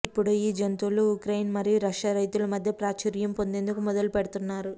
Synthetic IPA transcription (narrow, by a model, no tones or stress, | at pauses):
ipːuɽuiːd͡ʒɐnt̪uluukɾɐjnmɐɾijuɾɐʃaːɾɐjt̪ulɐmɐd̪ʱjɐpɾaːt͡ʃiɾjɐmpo̞nd̪e̞ːnd̪ukumɔd̪ɐlupɛɽɐt̪unːaːɾu